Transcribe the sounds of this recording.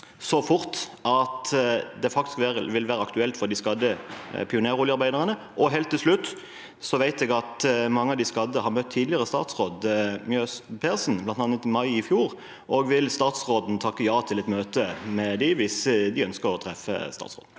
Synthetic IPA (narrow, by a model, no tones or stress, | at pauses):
sɔfʊʁt̪ɑt̪d̪ɛfɑkt̪ɪ̥skʋæʁəʋɪlʋæːɾəɑkt̪ʉɛlt̪fɔʁd̪ɪskɑd̪əpʰɪʊneːɾʊljəɑɾbæɪd̪əʁənə | ʔɔɦeːlt̪ʰːɪlslʉt̪ː | sɔʋæɪt̪ɛɡɑt̪mɑŋːəɑd̪ɪskɑd̪əhɑʁmœt̪ʰːiːd̪lɪəʁəst̪ɑ̰ːt̪sʁoːd̪mjøːspʰesn̩blɑnt̪ɑːnət̪ɪmɑɪɪfjuːʁ | ʔɔɡʋɪlst̪ɑːt̪sʁoːd̪nt̪ʰɑkːəjɑːt̪ʰɪlɛt̪møːt̪əmɛd̪ɪʋɪsd̪ɪœnskəʁɔt̪ʰʁɛfə̰st̪ɑ̰ːt̪sʁo̰ːd̪n̩